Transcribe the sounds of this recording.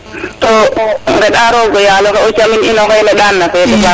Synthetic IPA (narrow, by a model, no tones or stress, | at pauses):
tɔdɛɗaɾɔɡɔjaːlɔhaɔt͡ʃamininɔhɔjlɛɗanːafɛɗɛfa